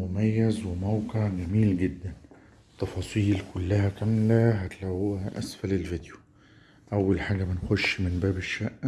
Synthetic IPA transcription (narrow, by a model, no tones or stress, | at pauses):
mʊmæjːæzwɪmawqeʕɡæmiːlɡɪd̪ːæn | t̪ːɑfɑːsˤiːlkʊlːæhækæmlæɦæt̪læwʔæ̰sfælɪlvid̪jʊ̥ | ʔæwːælħaːɡæbɪnxoʃːmɪnbæːbɪʃːæʔ